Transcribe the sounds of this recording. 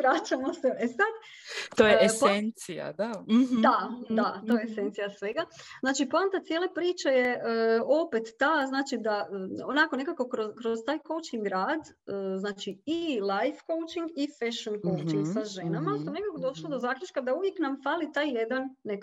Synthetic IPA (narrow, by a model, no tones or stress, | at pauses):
ʋɾat͡ʃamo̞seʔesad̪ | t̪ojeesent̪sija̰d̪ad̪ad̪at̪ojeesent̪sijasʋe̞ɡa | znaːt͡ʃipant̪at̪sjelˠe̞pɾiːt͡ʃejeəo̞pet̪ːaznaːt͡ʃid̪aəonako̞ne̞kako̞kɾozkɾoz̥t̪aːjko̞wt͡ʃiŋɡɾaːd̪ | əznaːt͡ʃiilˠajfko̞wt͡ʃiŋɡifeʃonko̞wt͡ʃiŋɡsaʒe̞namast̪one̞kakod̪o̞ʃlˠod̪ozaːkʎʲut͡ʃkad̪auʋjeknamfaːlit̪aːjjed̪anːek